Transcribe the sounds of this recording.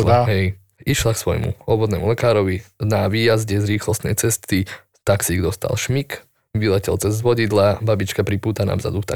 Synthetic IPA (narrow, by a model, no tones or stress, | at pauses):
ɦɛj | iʃlaksʋɔ̰jmṵɔbɔd̪nɛ̰ːmulɛkaːɾɔʋinaʋiːjazɟɛzɾiːxlɔst̪nɛ̰jt͡sɛst̪i | t̪aksiɡd̪ɔst̪a̰lʃmik | ʋilɛcɛ̰lt͡sɛzʋɔɟid̪lababit͡ʃkapɾipuːt̪ana̰ːvza̰d̪ut̪a